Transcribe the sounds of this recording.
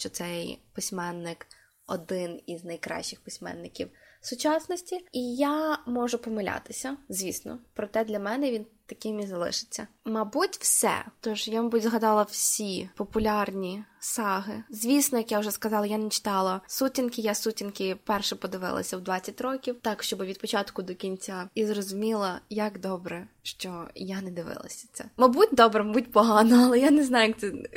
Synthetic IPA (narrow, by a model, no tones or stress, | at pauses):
ʃt͡ʃɔt̪sɛjpɪsʲmɛnːɪk | ɔd̪ɪniznɐjkɾɑ̰ʃːɪxpɪsʲmɛ̰nːɪkʲḭwsʊt͡ʃɑsnɔsʲtʲiijamɔʒʊpɔmɪlʲa̰t̪ɪsʲɐzʲʋʲisnɔ̰pɾɔt̪ɛd̪lʲɐmɛnɛʋʲint̪ɐkɪmʲizɐlˠɪ̰ʃɪ̥t͡sʲːɐmɐbutʲw̥sɛ̰t̪ɔʒjamɔbudʲzɦɐd̪ɑlˠɐwsʲipɔpʊlʲɑrnʲisɑɦɪzʲʋʲisnɔjɐkjaʊʒɛskɐzɑlˠɐjanɛt͡ʃɪ̥t̪ɑlˠɐsutʲinkɪjasutʲinkʲɪpɛrʃɛpɔd̪ɪʋɪ̰lˠɐ̰sʲɐwd̪ʋɑt͡sʲːɐtʲɾɔkʲiwt̪ɑkʃt͡ʃɔbɪʋʲid̪̚pɔt͡ʃɑt̪kʊd̪ɔkʲinʲt͡sʲaizrɔzʊmʲilˠɐjɐkd̪ɔbɾɛ | ʃt͡ʃɔjanɛd̪ɪʋɪ̰lˠɐ̰sʲɐ̥t̪sɛ̰mɐbutʲd̪ɔbɾɛmɐbutʲpɔɦɑnɐɐlˠɛjaneznɑjʊjɐk̚t̪sɛ